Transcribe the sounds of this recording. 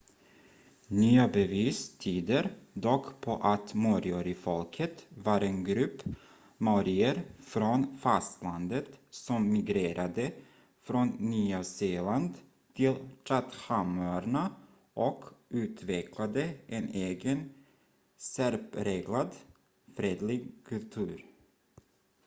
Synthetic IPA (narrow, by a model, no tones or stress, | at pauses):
nyːabɛviːst̪ʰyːd̪əɾd̪ɔkːpʰɔʔat̪muɾjɔɾɪfɔlkʰət̪vɑɾenɡɾɵpː | mɔɾɪəɾfɾɔnfast̪land̪ət̪sɔmːɪɡɾeːɾʔad̪ə | fɾɔnːyːaseːland̪ | t̪ʰɪlt̪ʰɾat̪hamaɾɳa | ʔɔkʔʉ̟ːt̪ʰvɛkʰlad̪əʔɛneːɡən | sæɾpɾeːɡlad̪ | fɾeːd̪lɪɡkʰɵlt̪ʰʉ̟ːɾ